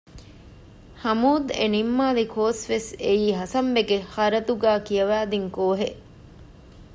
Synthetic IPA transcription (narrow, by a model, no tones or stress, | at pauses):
hɐmuːd̪enimːaːlikʰoːsʋesejiːɦɐsɐmbeɡehɐɾɐt̪uɡæːkijɐʋæːd̪iŋkoːɦeʔ